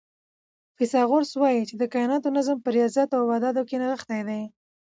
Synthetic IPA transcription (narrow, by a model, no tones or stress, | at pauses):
fɪsɑɣoɾswɑjit͡ʃed̪əkajɪnɑt̪onazəmpəɾijɑzjat̪awwɑd̪ɑd̪okenaɣəxt̪ajd̪aj